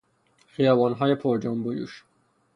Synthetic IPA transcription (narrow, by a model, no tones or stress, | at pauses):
xijɒːvɒːnɦɒːjepʰoɾd͡ʒɒmbojṵʃ